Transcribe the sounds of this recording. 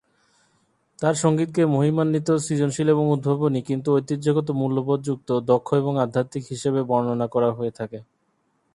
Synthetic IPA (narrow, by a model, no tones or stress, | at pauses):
t̪aɾʃoŋɡit̪̚kemoɦimanːit̪osid͡ʑonʃileβoŋud̪̚bʱabonikint̪uojt̪id͡ʑoɡot̪̬omulːopod̪d͡ʑuk̚t̪od̪ɔkʰːoeboŋad̪ʱːat̪ikɦiʃeβebɔɾononakɔɾaɦoet̪ʰake